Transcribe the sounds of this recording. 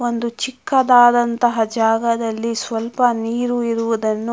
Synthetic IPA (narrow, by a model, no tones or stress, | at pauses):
ond̪ut͡ʃikːɐd̪aːd̪ɐnt̪ɐɦɐd͡ʒaːɡɐd̪ɐlːisʋɐlpɐniːɾuiɾuʋud̪ɐnːu